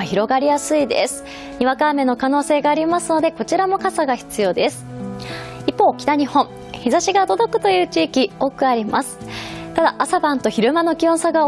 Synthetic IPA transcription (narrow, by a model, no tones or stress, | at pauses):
çiɾo̞ɡaɾʲijasɨid̪ḛsɨ̥ | ɲ̟iβakaːme̞no̞kanoːse̞ːɡaːɾʲimasɨno̞d̪e̞ko̞t͡ɕiɾamo̞kasaɡaçi̥t͡sɨjo̞ːd̪e̞sɨ̥ | ipːo̞ːkʲi̥t̪aɲ̟ihõ̞ɴ̃ | çizaɕiɡad̪o̞d̪o̞kɯ̟̥t̪o̞jɯ̟ːt͡ɕiːkʲio̞ːkɯ̟aɾʲimasɨ̥t̪ad̪aʔasabãnt̪o̞çiɾɯ̟mano̞kʲiõsaɡa